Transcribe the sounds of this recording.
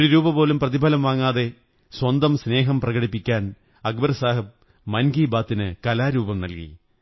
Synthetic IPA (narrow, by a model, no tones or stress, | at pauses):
oɾuɾuːbɐpo̞ːlumprɐðibʱɐlɐmʋaːŋːaːðe̞ | swɐnd̪ɐmsne̞ːɦɐmprɐɣɐɽipːikʲːaːn | ɐk̚bɐɾɐsaːɦɐb | mɐnɡiːbaːt̪ːinɨkɐlaːɾuːbɐmnɐlkḭ